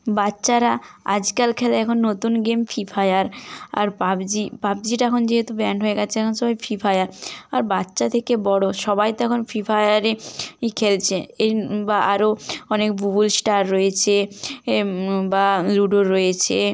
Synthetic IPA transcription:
batːɕaɾaa̰d͡ʑkalkʰɛlaɛkʰonːot̪unɡemfifʰajaɾa̰ɾpabd͡ʑipap̚d͡ʑiʈaɛkʰond͡ʑeɦet̪ubɛaɳʈɦoeɡɛt͡ɕʰeɛkʰonʃɔbajfifʰajaɾaɾbatːɕat̪ʰekebɔɽoʃɔbajt̪ɛkʰonfifʰajaɾeikʰelt͡ɕʰeebaʔaɾoɔnekbubulsʈaɾːoet͡ɕʰe | baɾuɖoɾːojet͡ɕʰe

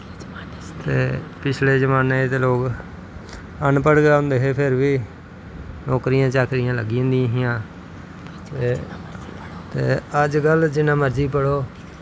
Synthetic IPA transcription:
t̪eːpɪt͡ʃʰleːd͡ʒəmaːneːt̪eːloːk | ənpəɽɡjaːɦʊ̃nd̪eːɦeːpʰɪɾʋiː | nɔːkɾɪjãːt͡ʃaːkɾɪjãːləɡiʊ̃nd̪ijãːɦɪjãː | t̪eː | t̪eːəd͡ʒɡəld͡ʒɪnãːməɾd͡ʒiːpəɽoː

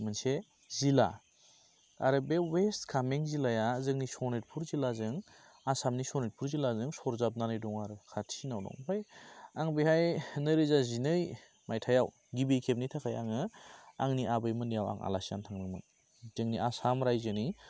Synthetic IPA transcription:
mɯnse | zila̰ | a̰ɾɯbewestkʰameŋzilajazɯŋnisɔnet̚pʰuɾzilazɯŋ | asamnisɔnet̚pʰuɾzilazɯŋsɔɾzap̚nanɯjduŋaɾɯkʰatʰinawdɔ̰ŋbʰajaŋbihajnɯɾɯzazinɯj | majtʰajaw | ɡibejkʰep̚nitʰakʰaja̰ŋɯaŋniʔabɯjmɯnijawa̰ŋa̰lasiantʰaŋnɯŋmɯ̰ | z̥ɯŋniʔasamɾajzɯni

